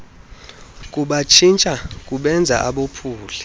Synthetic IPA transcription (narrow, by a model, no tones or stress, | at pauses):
kʼuɓat͡ʃʰint͡ʃʼakʼuɓɛnd͡zʱa̰ʔaɓopʰuːli